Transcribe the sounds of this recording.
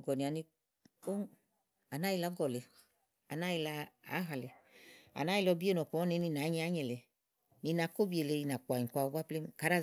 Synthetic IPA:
ɡɔ˨ni˨a˨ni˧ | o˦ | a˨na˦i˧la˨˦ɡɔ˨le˨ | a̰˨na˦i˧la˧a̰˨˦ɦa˨le˨a̰˨na˦i˧lɔ˧bi˦e˦nɔ˨kɔ˨˦ɔ˦ne˨˧˦ni˧˨na˨˦ɲe˧˦a˦ɲe˨le˨ | ni˧na˧˨˦ko˦bi˦e˨le˨˧ni˧na˨k͡pʷa˨ɲĩ˨kʷa˧˨˧ba˦ple˦ka˨˦ɾa˦

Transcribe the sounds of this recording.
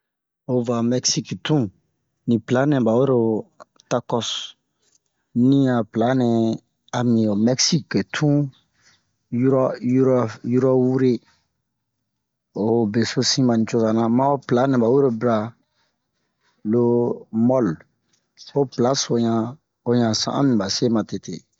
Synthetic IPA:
o˨va˨mɛ˦ksi˦ktũ˦ | nĩ˨pla˨˦nɛ̃˨ba˨we˦ɾo˨ | ta˦kɔ˦s | nĩ˦a˨pla˨˦nɛ̃˨ | a˨mĩ˨o˨mɛ˦ksi˦ke˨tʰũ˦ | ju˦ɾɔ˦ju˦ɾɔ˦ju˦ɾɔ˦wu˦ɾe˦ | o˨be˨so˦sĩ˦ma˨nĩ˨t͡ʃo˦ka˨nã˨mã˦o˦pla˨˦nɛ̃˨ba˨we˦ɾo˨bɾa˨ | lo˦mɔ˦l | o˦pla˦so˨ɲã˨ | o˨ɲã˨sã̰˨ʔã̰˦mĩ˨ba˨se˦mã˨te˨tḛ˨

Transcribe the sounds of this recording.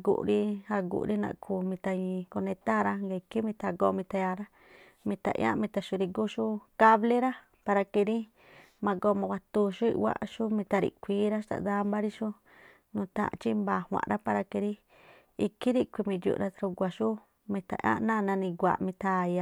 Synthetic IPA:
ɡṵ˨ʔɾi˧ha˧ɡṵ˧˨ʔɾi˦nã̰˧ʔkʰu˧˨mĩ˧t̪a˧ɲĩ˧ko˧nẽ˧t̪a˦ɾa˧ŋɡa˧i˧ki˦mĩ˧t̪a˧ɡo˧˦mĩ˧t̪a˧ja˧ɾa˦ | mĩ˧t̪a̰˧˨ʔj̰ã̰˦mĩ˧t̪a˧ʃu˧ɾi˧ɡu˦ʃu˦ka˦βle˦ɾa˦ | pa˧ɾa˧ki˧ɾi˦ | mã˧ɡo˧mã˧wʷa˧t̪u˧ʃu˦ḭ˧wʷa̰˧˨ʔʃu˦mĩ˧t̪a˧ɾḭ˧˨kʷiː˦ɾa˦ʃt̪a̰˧˨d̪a˦mba˦ɾi˦ʃu˦ | nũ˧t̪ã̰˧ʔt͡ʃi˦mba˧˨hʷã̰˧˨˧ɾa˦pa˧ɾa˧ki˧ɾi˦ | i˧ki˦ɾi˦kʷi˧mĩ˧jṵ˧ʔɾa˧t̪a˧ɾu˧ɡʷa˧ʃu˦ | mĩ˧t̪a̰˧˨ʔã̰˦nã˦˧nã˧nĩ˧ɡʷa̰˨mĩ˧t̪a˧ja˧

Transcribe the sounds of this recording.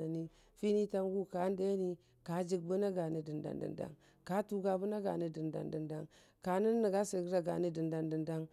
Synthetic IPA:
a˨ni˦ | fi˦ni˦ta˦mɡu˦ka˨˦n˦de˦ni˦ | ka˨˦d͡ʒi˨ɡ̚bu˦na˦ɡa˨ni˦di˨nda̰˨ndḭ˨nda̰˦ŋ | ka˦tu˨ɡa˨bu˦na˦ɡa˨ni˦di˨nda̰˨ndi˨nda˦ŋ | ka˨ni˦nːi˨ɡa˦se˨˦ɾa˨ɡa̰˨ni˦di˨nda˨ndi˨nda˦ŋ

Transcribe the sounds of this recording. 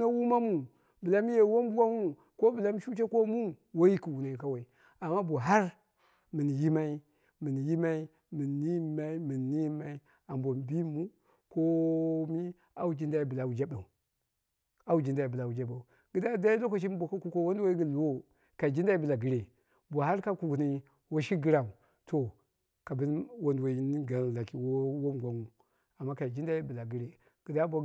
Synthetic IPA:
na˦wu˦ma˦mu˨ | bɨ˨la˦mi˦je˨wo˦m˦bu˦wa˦mu˦ | ko˦bɨ˨la˦mi˦ʃu˦t͡ʃe˦ko˦mu˦ | wo˦ji˦ki˨wu˨na˨i˨ka˦wa˨i˨ | a˨mːa˦bo˨ɦa˦ɾ | mɨ˨ni˨ji˦ma˦i˦ | mɨ˨ni˨ji˦ma˦i˦ | mɨ˨nː˨i˦˨ma˦i˦mɨ˨nː˨i˦ma˦i˦ | a˨mbo˨m˨bi˦mu˦ | ko˦mi˦ | a˦wu˦d͡ʒi˦nda˦i˨bɨ˨la˨wu˨d͡ʒa˦ba˨u˨ | a˦wu˦d͡ʒi˨nda˨i˨bla˨wu˨d͡ʒa˦ba˨u˨ | ɡ̥ə˨da˦da˦i˦lo˦ko˨ʃ̬i˦bʷo˨ka˦ku˦ko˦wo˦n˦a˦i˦ɡi˨lu˨wo˦ | ka˨i˨d͡ʒi˦nda˦i˦bə˨la˨ɡə˦ɾe˨ | bʷa˨ha˦ɾka˦ku˨ku˨ni˦ | wo˦ʃi˦ɡi˦ɾa˨u˨ | to˨ | ka˨bi˦nwo˦ndwo˨i˦ni˦ɡa˨la˨ki˨wo˦wo˦m˨ɡʷa˨ŋu˨ | a˨mːa˦ka˨i˨d͡ʒi˦nda˦i˦bə˨la˨ɡi˦ɾe˨ | ɡ̥ə˨da˦bʷa˨

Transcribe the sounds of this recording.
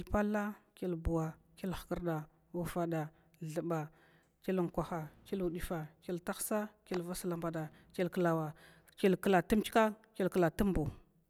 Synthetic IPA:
lpa˦lːa˦ke˦lbu˨wa˨ke˦lxkə˨ɾda˨ | wu˦fa˨da˨ | ɮə˨ba˨ | ke˦lŋkʷa˨xa˨ke˦lu˨di˨fa˨ke˦lta˦xsa˦ke˦lva˦sə˨la˨mba˨da˨ | ke˦lkə˨la˨wa˨ | ke˦lkə˨la˨tə˦m˦t͡ʃka˦ke˦lkə˨la˨tə˦mbu˨

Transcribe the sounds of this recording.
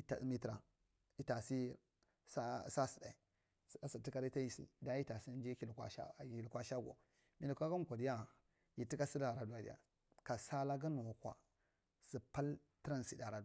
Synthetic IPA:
i˦ta̰˨˦mi˦tɾa̰˨ | i˦ta˨si˦ | sa˦sa˦si˨da˨i˨ | a˦si˨ti˦ka˦ɾi˦ta˦i˨sḭ˨da˦ji˦ta˨si˦n˦d͡ʒe˦ki˨lkʷa̰˨ʃa̰˦˨i˨lkʷa˦ʃa˦ɡo̰˨ | mi˨li˨kʷa˦ɡa˦m˨kʷa˨di˦ja˦ | ji˨ti˦ka˦si˦la˨ɾa˨du˨˦a˨dḭ˨a̰˨ | ka˨sa˦la˦ɡa˦nu˨wa˨kwa̰˨ | si˨pa˦l | ti˦ɾa˦˨n˨si˨da˨ɾa˨du˦˨

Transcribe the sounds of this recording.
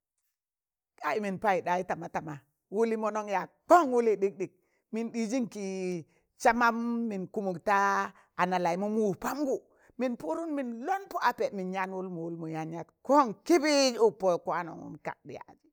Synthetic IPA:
ka˦i˨mi˨npa˦i˨ɗa˨ji˦ta˨ma˨ta˨ma˨ | wu˦li˦mo˦no˦ŋja˨k͡po˦ŋwu˦li˦ɗi˦k̚ɗi˨k̚ | mi˨nɗi˨d͡ʒi˦ŋki˨ | t͡ʃa˦ma˦mːi˨nku˦mu˨kta˦ | a˨na˨la˨i˨mu˦mu˦˨pa˦mɡu˨ | mi˨npu˦ɾu˦nmi˨nlo˦npo˦a˨pe˨mi˨nɲa˦nwu˦lmu˨wu˦lmu˨ja˨ɲa˦tko˦ŋki˦bi˦d͡ʒu˦po˦jku˦a˦no̰˨ŋṵ˦nka̰˨k̚dḭ˨a̰˨d͡ʒi˨

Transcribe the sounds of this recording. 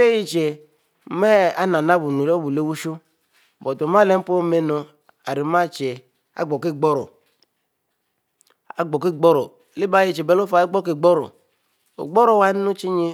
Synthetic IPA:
e˦ji˦t͡ʃe˨ | mɛ˦a˦na˨na˦bu˨nu˨le˦bu˨le˦wu˦ʃu˦˨ | bɔ˨to˨m˦a˦le˦m̩˦po˦me˦no˨ | a˨ɾi˨ma˦t͡ʃe˨ | a̰˦ɡ͡bɔ˨ke˦˨ɡ͡bɔ˦ɾɔ˨ | a̰˨ɡ͡bɔ˨ke˦˨ɡ͡bɔ˦ɾɔ˨le˦ba˦ji˨t͡ʃe˨bɛ˨lo˦fa˨˦i˦ɡ͡bɔ˦ke˨ɡ͡bɔ˦ɾɔ̰˨ | o̰˨ɡ͡bɔ˦ɾɔ˨wa˦nu˦t͡ʃi˦ɲe˦

